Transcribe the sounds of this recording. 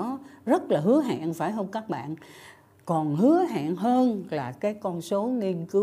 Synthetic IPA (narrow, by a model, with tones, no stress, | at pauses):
ɔ˨˦zə˦˥t̚laː˨˩ɦɨ˨˦əɦa̰ː˧˨nfaː˧˩jɦəː˧nkaː˦˥k̚ɓa̰ː˧˨n | kɔ˨˩nhɨ˨˦əɦa̰ː˧˨nɦəː˧nlaː˨˩kaː˨˦jkɔ˧nso˨˦ŋi˧ənkɨ˨˦